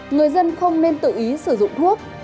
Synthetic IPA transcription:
ŋɨ˨˩əjzə˧nxə˧wŋ͡mne˧nt̪ɨ̰˧˨ʔi˨˦sɨ˧˩zʊ̰˧˨ŋ͡mt̪ʰu˦˥ək̚

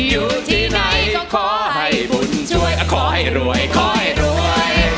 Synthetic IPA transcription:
juː˨˩t̪ʰiː˧˩na˧˥jɔ˧˩kʰɔː˧˩ha˧˩jbu˧˩nt͡ɕʰu˥˩əjkʰɔː˧˩ha˧˩jɾu˧˩əjkʰɔː˧˩ha˧˩jɾu˧˩əəj

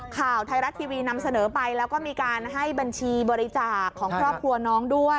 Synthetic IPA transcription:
kʰaː˨˩wt̪ʰa˧jɾa˦˥t̪ʰːiː˧wiː˧na˧msa˧nɤː˩˦pa˧jlɛː˦˥wkɔː˥˩miː˧kaː˧nɦa˥˩jba˧nt͡ɕʰiː˧bɔː˧ɾi˦˥t͡ɕaː˨˩kʰːɔː˩˦ŋkʰɾɔː˥˩p̚kʰɾu˧ɐnɔː˦˥ŋdu˥˩əj

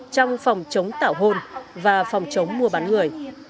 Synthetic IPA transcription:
t͡ɕɔ˧wŋ͡mfɔ˨˩wŋ͡mt͡ɕə˨˦wŋ͡mt̪a̰ː˧˩wɦo˧nvaː˨˩fa˨˩wŋ͡mt͡ɕə˨˦wŋ͡mːu˧əɓaː˨˦nŋɨ˨˩əj

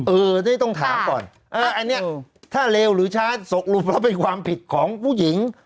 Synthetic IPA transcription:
ʔɤː˧na˥˩jt̪ɔ˥˩ŋt̪ʰaː˩˦mkɔː˨˩n | ʔɤː˧ʔa˧nːi˦˥ɐt̪ʰaː˥˩leː˧wɾɯː˩˦t͡ɕʰaː˦˥so˨˩k̚lu˨˩pɾɔ˦˥˩pe˧nkʰwaː˧mpʰi˨˩t̪̚kʰɔː˩˦ŋpʰuː˥˩ji˩˦ŋ

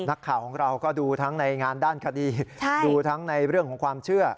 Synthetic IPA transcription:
na˦˥kʰːaː˩wkʰɔː˩˦ŋɾa˧wkɔː˥˩duː˧t̪ʰa˦˥ŋna˧jŋaː˧ndaː˥˩nkʰa˧diː˧t͡ɕʰa˥˩duː˧t̪ʰa˦˥ŋna˧jɾɯ˥˩əŋkʰɔː˩˦ŋkʰwaː˧mt͡ɕʰɯ˥˩ɐ

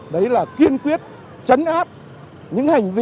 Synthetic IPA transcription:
ɗə˨˦jlaː˨˩ki˧ənkwi˦˥ət̚ | t͡ɕə˨˦nʔaː˦˥p̚ | ɲɨ̰˧˥ŋha˨˩jŋ̟vi˧

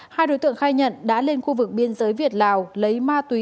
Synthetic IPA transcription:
haː˧jɗo˨˦jt̪ɨ̰˧˨əŋxaː˧jɲə̰˧˨nɗa̰ː˧˥le˧nxu˧vɨ˨˩k̚ɓi˧ənzəː˨˦jvi˨˩ət̚laː˨˩wlə˨˦jmaː˧t̪wi˨˦

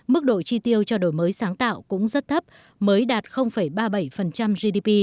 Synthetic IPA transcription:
mɨ˦˥k̚ɗo̰˧˨jt͡ɕi˧t̪i˧əwt͡ɕɔ˧ɗo̰˧˩jməː˨˦jsaː˨˦ŋt̪a̰ː˧˨wkʊ̰˧˥ŋ͡mzə˦˥t̚t̪ʰə˦˥p̚ | məː˨˦jɗaː˨˩t̚xə˧wŋ͡mfə˧˩jɓaː˧ɓə˧˩jfə˨˩nt͡ɕa˧mzi˧ɗi˧pi˧

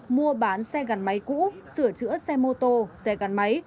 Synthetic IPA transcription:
mu˧əɓaː˨˦nsɛ˧ɣa˨˩nma˨˦jkṵ˧˥sɨ˧˩ət͡ɕɨ̰˧˥əsɛ˧mo˧t̪o˧sɛ˧ɣa˨˩nma˨˦j

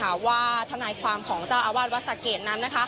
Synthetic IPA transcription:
aː˨˩˦waː˥˩t̪ʰa˧naː˧jkʰwaː˧mkʰɔː˩˦ŋt͡ɕaː˥˩wʔaː˧waː˥˩t̪̚wa˦˥t̪̚sa˨˩keː˨˩t̪̚na˦˥nːa˦˥kʰa˦˥

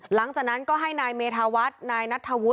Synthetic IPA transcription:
la˩˦ŋt͡ɕaː˨˩k̚na˦˥nkɔː˥˩ɦa˥˩jnaː˧jmeː˧t̪ʰaː˧wa˦˥t̪̚naː˧jna˦˥t̪ʰːa˧wu˦˥

